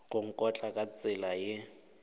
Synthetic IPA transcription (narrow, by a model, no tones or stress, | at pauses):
ɣʊŋ̩kʼɔt͡ɬʼakʼat͡sʼɪlajɪ